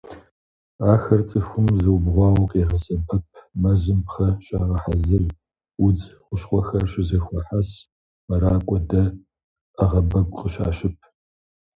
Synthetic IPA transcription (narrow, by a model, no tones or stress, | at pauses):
aːxɐrt͡sʼɨxʷʊmzɨwbʁʷɑːwɔqeːʁɐsɐbɐp̚ʰmɐzɨmpχɐɕʼaːʁɐħazɨr | ʊd͡zχʷʊʃχʷɔxɐrɕʼɪzɐxʷɔħas | mɐɾaːkʷʼɔdɐ | ɐʁɐbɐɡʷʼqʼəɕa̰ːʃɪp̚ʰ